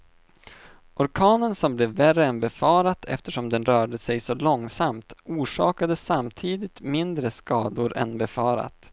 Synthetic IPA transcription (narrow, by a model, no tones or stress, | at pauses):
ʔɔɾkʰɑːnənsɔmblɛːvːærəɛnbɛfɑːɾat̪ʰɛ̰ft̪əʂɔmd̪ɛnɾœːɖəsɛjsɔlɔŋsamt̪uːʂɑ̰ːkad̪əsamt̪ʰiːd̪ɪt̪mɪnd̪ɾəskɑːd̪ʊɾɛ̰nbɛfɑːɾa̰t̪